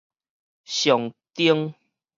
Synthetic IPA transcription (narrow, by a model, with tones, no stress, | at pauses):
ɕjɔ˨ŋt̪i˦əŋ